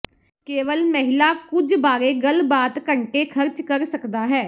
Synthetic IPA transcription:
keːʋəlməɦɪlaːkʊd͡ʒbaːɾeːɡəlbaːt̪kəɳʈeːkʰəɾt͡ʃkəɾsəkd̪aːɦɛː

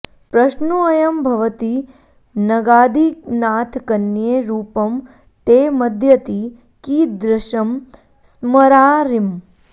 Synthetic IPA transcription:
pɾɐʃnuɐjɐmbʱɐʋɐt̪i | nɐɡaːd̪ʱiknaːt̪ʰkɐnjeːɾuːpɐm | t̪eːmɐd̪ʱjɐt̪i | kiːd̪ɾɐʃɐm | smɐɾaːɾim

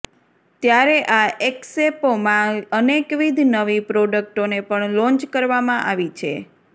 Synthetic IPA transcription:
t̪jaɾeʔaʔeksepomãənekʋid̪ʱnəʋipɾɔɖək̚ʈonepəɳlɔ̃nt͡ʃkəɾʋamãʔaʋit͡ʃʰḛ

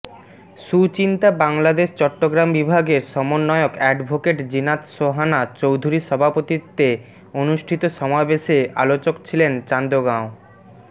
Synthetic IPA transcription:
ʃut͡ɕint̪abaŋlad̪eʃt͡ɕɔʈːoɡɾambibʱaɡeɾʃɔmonːɔeokɛɖbʱokeʈd͡ʑinat̪ʃoɦanat͡ɕowd̪ʱuɾiʃɔbʱapot̪it̪e | onuʃʈʰit̪oʃɔmabeʃea̰lot͡ɕokt͡ɕʰilent͡ɕand̪oɡão

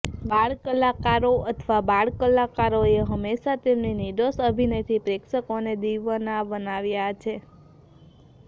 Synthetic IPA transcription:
baɭkəlakaɾoət̪ʰʋabaɭkəlakaɾoeɦəmːeʃat̪emniniɖosəbʱinet̪ʰipɾekʃəkoned̪iʋənabənaʋjat͡ʃʰe

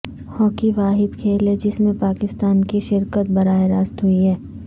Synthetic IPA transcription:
hɔːkiʋaːɦɪd̪kʰeːled͡ʒɪsmẽpaːkɪst̪aːnkiʃɪɾkət̪̚bɐɾaːeɾaːst̪ɦuiɦɛː

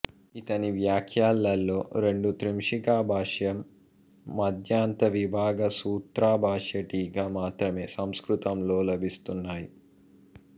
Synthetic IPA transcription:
it̪ɐniʋjaːkʰjaːlːɐlːo̞ːɾe̞ɳɖut̪ɾimʂikaːbʱaːʂjɐmː | ɐd̪ʱjaːnt̪ɐʋibʱaːɡɐsuːt̪ɾaːbʱaːʂjɐʈiːɡamaːt̪ɾɐme̞ːsɐmskɾut̪ɐmlo̞ːlɐbʱist̪unːaːji

